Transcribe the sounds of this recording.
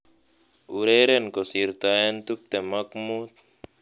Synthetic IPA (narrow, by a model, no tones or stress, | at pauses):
uɾeɾenkosiɾt̪ajant̪up̚t̪emɐkmut̪̚